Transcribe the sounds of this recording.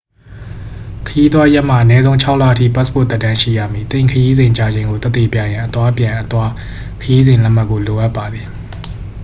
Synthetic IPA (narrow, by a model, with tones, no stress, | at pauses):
kʰəji˦t̪wa˦ja˦ʔm̥a˨ʔənɛ˦zõ˦ʊ̃ɲt͡ɕʰa˦ʊʔla̰˦˨ʔtʰḭ˦˨pa˦spo̰˦˨t̪ɛ˦ʔtːã˦ʃḭ˦˨ja̰˦˨mi˨t̪ɪ̃˦˨ŋkʰəji˦zɪ̃˨ɲt͡ɕa˦˨d͡ʑẽ˨ŋɡo˨t̪ɛ˦t̪ːe˨pja˨jã˨ʔət̪wa˦pjã˨ʔət̪wa˦ | kʰəji˦zɪ̃˨lɛ˦m̥a˦kːo˨lo˨ʔa˦pːa˨d̪ði˨